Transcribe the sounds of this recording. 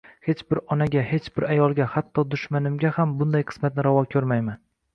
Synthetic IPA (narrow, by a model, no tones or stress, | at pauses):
he̞t͡ʃbɪɾɒnaɡʲahe̞t͡ʃbɪɾajɒlˠɡʲahat̪ʰːɒd̪ʊʃmanɪmɡʲahambʊnd̪ajqʰɨ̥smat̪̚nɪɾavɒkʲʰɵɾmajman